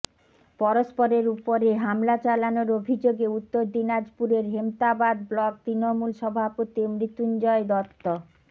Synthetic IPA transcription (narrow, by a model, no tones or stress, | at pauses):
pɔɾospoɾeɾupoɾeɦamlat͡ɕalanoɾobʱid͡ʑoɡeut̪ːoɾd̪inad͡ʑpuɾeɾɦemt̪abad̪̚blɔk̚t̪ɾinomulʃɔbʱapot̪imɾit̪und͡ʑɔed̪ɔt̪ːo